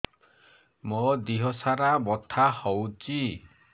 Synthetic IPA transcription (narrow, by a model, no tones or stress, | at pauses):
mɔd̪iɦɔsaɾabɔt̪ʰahɔwt͡ʃi